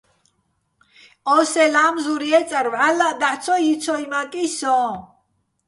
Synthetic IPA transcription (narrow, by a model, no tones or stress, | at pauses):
ɔsɛlamzuɾiɛt͡sʼaɾvʕalaʔd̪aħt͡sʰɔjit͡sʰɔimakʼisɔ̃